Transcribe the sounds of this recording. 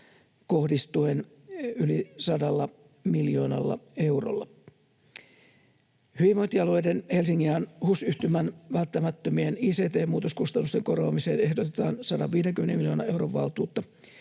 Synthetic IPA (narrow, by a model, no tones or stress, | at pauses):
kohdist̪uen | ylisɑdɑlːɑ | miljo̰ːnɑ̰lːɑ̰e̞uro̰lːɑ | hyʋiʋmont̪iɑluejdenhelsiŋːiænhusyht̪ymænʋælt̪ːæmæt̪ːømieniːseːt̪eːmuːt̪oskust̪ɑnːust̪eŋkorʋoːmiseːnehdot̪et̪ɑːnsɑdɑʋʋiːdeŋkymenemiljo̞ːnɑe̞uwroʋʋɑ̰lt̪uːt̪ːɑ